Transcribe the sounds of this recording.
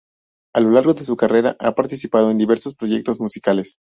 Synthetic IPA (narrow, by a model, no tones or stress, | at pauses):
alo̞laɾɣo̞ðe̞s̬ukare̞ɾa̰ʔa̰paɾt̪isipað̞o̞e̞nd̪iβe̞ɾso̞spɾo̞ʝe̞k̚t̪o̞zmusikale̞s